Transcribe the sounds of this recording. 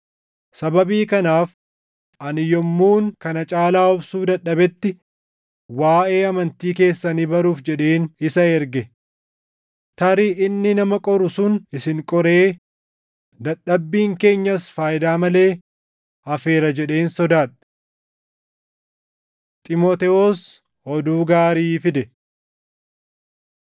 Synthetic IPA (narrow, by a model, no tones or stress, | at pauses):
sɐbɐbiːkɐnaːf | ʔɐnɪjɔmːuːŋkɐnɐt͡ʃʼaːlaːɔbsuːd̪ɐɗɐbɛt̪ːɪ | waːʔe̞ːɐmɐnt̪iːke̞ːsːɐniːbɐɾuːfd͡ʒɛᶑeːnɪsɐɛɾɡɛ | t̪ɐɾiɪnːɪnɐmɐkʼɔɾʊsʊnɪsɪŋkʼɔɾeː | d̪ɐɗːɐbːiːŋke̞ːɲːɐsfaːjɪd̪aːmɐle̞ː | ɐfe̞ːɾɐd͡ʒɛᶑe̞ːnsɔd̪aːᶑ̥ | t̪ʼɪmɔt̪ɛos | ɔd̪uːɡaːɾiːfɪd̪ɛ